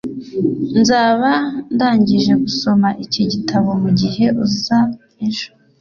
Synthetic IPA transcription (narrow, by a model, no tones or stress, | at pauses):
nzaːβandaːɲɟiʒe̞ɡuso̞maʔiciɟitʰaβo̞muɟiɦe̞ʔuza | inʃo̥